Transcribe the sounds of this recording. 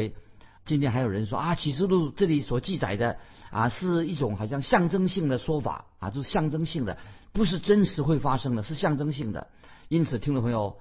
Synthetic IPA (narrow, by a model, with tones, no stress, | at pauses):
ɪ | t͡ɕi˥nt̪ʰjɛ˥n˩xjo˨˩ɻə˧˥nʂwɔ̰˥ʔa˥˧˩t͡ɕʰi˧˥ʂ̬ɻ̩˥˧lu˥˩ʈ͡ʂɤ˥˩li˧˥swɔ˨˩t͡ɕi˥˩t͡sa̰˨˩ɪd̪ə˦ | ɐ̰˧ʂɻ̩˥˧i˥˩ʈ͡ʂʊ˧˥˦ŋxɑ˨˩ʊɕjɑ˥˧ŋɕjɑ˥˩ŋʈ͡ʂɤ˥ŋɕi˥˩ŋd̪ə˩ʂwɔ˥fa̰˨˩˦t͡ɕjo˥˧ʊʂɻ̩˥˩ɕjɑ˥˩ŋʈ͡ʂɤ˥ŋɕi˥˩ŋd̪ə̰˩ | pu˧˥ʂ̬ɻ̩˥˩ʈ͡ʂə˥nʂɻ̩˧˥xwe˥˩ɪfa˥ʂɤ˥ŋd̪ə˨ʂɻ̩˥˧ɕjɑ˥˩ŋʈ͡ʂɤ˥ŋɕi˥˩ŋd̪ə̰˩ | i˥nt͡sʰɹ̩˨˩t̪ʰi˥ŋw̪pʰŋjo˨˧˩ʊ